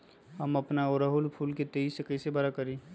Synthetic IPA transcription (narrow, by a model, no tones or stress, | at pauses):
ɦɐmɐpnaoɾəɦʊlpʰuːlket̪eisekəɪsebaɾakɐɾĩː